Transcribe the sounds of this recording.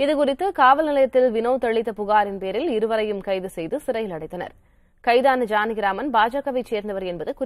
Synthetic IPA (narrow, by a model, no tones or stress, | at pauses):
ɪðɯkʊrɪt̪ːɯkaːʋɐlnɪlɐjɐt̪ːɪlʋɪnɐːt̪ɐɭːɪt̪ːɐpʊɣaːɾɪnpeːɾɪlɪɾɯʋɐɾɐjɯmkɐɪðɯsɛjðɯsɪɾɐjɪlɐɽɐɪt̪ːɐnɐ̰ɾ | kɐɪðaːnɐd͡ʒaːnɪɣɪɾaːmɐnbaːd͡ʒakːɐʋɐɪt͡ʃeːɾnd̪ɐʋɐɾɛnbɐðɯkʊ